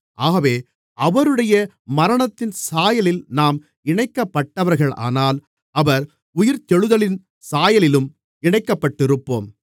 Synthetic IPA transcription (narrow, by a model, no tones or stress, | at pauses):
ʔaːɣɐʋeː | ʔɐʋɐɾɯɽɐjɐ | mɐɾɐɳɐt̪ːɪnsaːjɐlɪlnaːm | ɪɳɐɪkːɐpːɐʈːɐʋɐɾɣɐɭa̰ːnaːl | ɐʋɐɾ | ʊjɪɾt̪ɛɻɯðɐlɪn | saːjɐlɪlɯm | ɪɳɐɪkːɐpːɐʈːɪɾɯpːo̰ːm